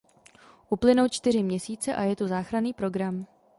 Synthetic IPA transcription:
ʔuplɪnowt͡ʃt̪ɪr̝ɪmɲɛsiːt͡sɛʔajɛt̪uzaːxɾaniːpɾo̞ɡɾam

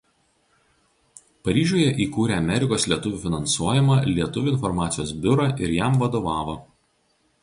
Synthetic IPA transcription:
pɐɾʲiːʒʲuɔjɛʔiːkuːɾʲeːɐmʲɛɾʲɪkoːslʲiɛt̪ʊʋʲʊːˑfʲɪnɐnsuɔjɪmɐlʲiɛt̪ʊʋʲʊɪnfɔɾmɑːt̪sʲɪjoːsbʲʊɾɐʔɪɾjæˑmʋɐd̪oːʋɑːʋo

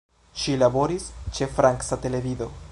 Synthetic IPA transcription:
ʃilabo̞ɾist͡ʃe̞fɾaŋksate̞le̞vido̞

